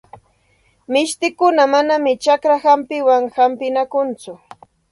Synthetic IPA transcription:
mɪʃt̪ɪkʊnamanamɪt͡ʃakɾahampɪwaŋhampɪnakʊnt͡sʊ

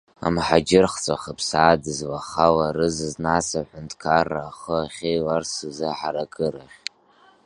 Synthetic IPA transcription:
a̰mħad͡ʒɪrχt͡sʼaχapʰsaːdɨzwaχawarɨzɨznasaħʷʊntʰʼkʰarːaːχəaχʲejlarsɨzɨħaɾakʼɨɾaχʲ

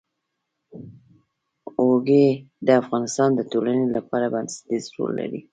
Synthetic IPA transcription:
oɡe | d̪əafɣɑnɪst̪ɑnd̪ət̪olanelapɑɾabansd̪izɾo̰lːa̰ɾḭ

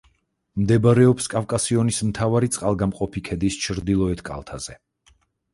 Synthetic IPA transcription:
md̪ɛbaɾɛɔpskʼafkʼasiɔnismt̪ʰavaɾit̪sʼqʼalˠɡamqʼɔpʰikʰɛd̪ist͡ʃʰɾd̪ilˠɔɛt̪ʰkʼa̰lˠt̪ʰaz̥ɛ

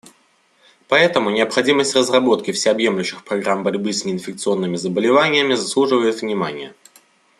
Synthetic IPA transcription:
pɐɛt̪əmʊnʲɪəpxɐdʲiməsʲtʲrəzrɐbo̞t̪kʲɪfsʲɪɐbje̞mlʲʊɕːɪxpɾɐɡɾambɐɾʲbɨsʲnʲɪɪnfʲɪk̚t̪sɨo̞nːɨmʲɪzəbəlʲɪvanʲɪjəmʲɪzɐslˠuʐɨvəjɪt̪vnʲɪmanʲɪjə

